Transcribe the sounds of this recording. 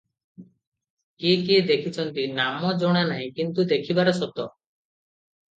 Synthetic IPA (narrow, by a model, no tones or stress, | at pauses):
kikid̪ekʰit͡ʃʰɔnt̪inamɔd͡ʒɔɽ̃anaɦĩkint̪ud̪ekʰibaɾɔsɔt̪ɔ